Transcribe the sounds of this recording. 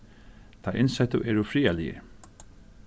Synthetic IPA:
t̪ʰaʔɪnsɛt̪əʔɛɾʊfɾiːalɪɪ̰

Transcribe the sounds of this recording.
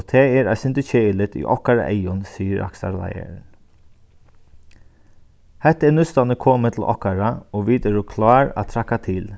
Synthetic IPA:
t̪ʰɛɛːɾæsɪnt̪ət͡ʃeːɪlɪt̪ḭʔɔ̰kaɾa̰ʔɛjʊnsiːəɾʔa̰ksa̰ɾla̰jə̰ɾ | hɛt̪ːɛnʉst̪anəkʰoːmət̪ʰl̩ʔɔ̰hkaɹaoːʋiːt̪ɛɾukʰlɑːɹa̰ːt̪ʰɾakːat̪ʰɪl

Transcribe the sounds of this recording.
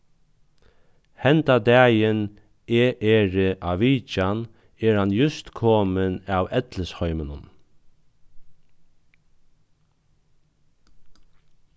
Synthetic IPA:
hɛnt̪ad̪æːjən | eːʔɛɹɪʔaʋiːt͡ʃan | ɛɾhanjʊst̪kʰɔːmənawɛt̪ləshɔʏmənʊn

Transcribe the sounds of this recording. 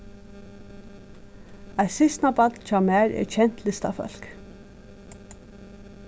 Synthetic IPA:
aɪsɪst̪nabat̪nt͡ʃʰaːmæːɹɛ̰ɹt͡ʃʰɛn̥t̪lɪst̪a̰fœ̰lk

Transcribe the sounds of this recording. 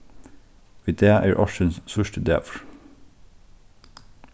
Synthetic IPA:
ʋiːd̪eːʔæːɹʔɑʃənssœʃʈəd̪ḛːfɹ

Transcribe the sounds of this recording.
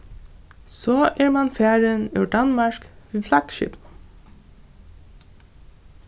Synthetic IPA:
sɔːʔɛɹmanfæːɹənʉwɖanmɑɹkʋiːflɑɡ̥ʃɪ̰pn

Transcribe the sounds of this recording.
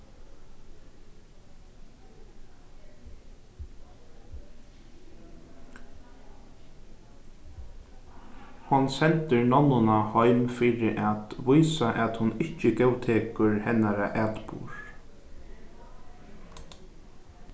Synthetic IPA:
hɔnsɛnt̪əɹnɔnːʊnahɔjmfiːɾɪʔat̪ʋujsaʔat̪hʊnɪht͡ʃəɡɛwt̪ʰeːkʊɹhɛnaɾaʔæːt̪pṵːɹ

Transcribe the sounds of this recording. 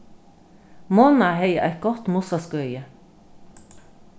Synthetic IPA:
moːnɑheɪəʔæt̪̚ɡɔt̪mʊsɑskœʏə

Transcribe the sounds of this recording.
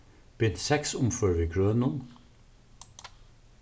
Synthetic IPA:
b̥ɪd̪sɛksʊmføːɹʋiːkʰɹøːnʊn

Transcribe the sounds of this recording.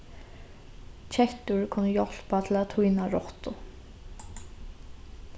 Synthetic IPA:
t͡ʃʰɛht̪ʊɹkʰʊnːəjɔl̥pat̪ʰɪlat̪ʰujnaɾɔht̪ʊ

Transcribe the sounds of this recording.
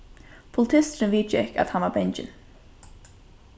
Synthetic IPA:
pʰʊlɪt̪ʰɪst̪ɾɪnviːt͡ʃɪka̰t̪hanvaɾbɛnt͡ʃɪ̰n

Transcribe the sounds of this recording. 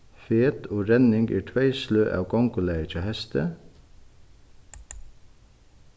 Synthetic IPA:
feːt̪ʰoːɾɛnɪŋɡæ̰ːʈʰʋæɪsløːʔɑ̰ːʋkɔŋkʊlæɪət͡ʃʰeːhɛst̪ʰə

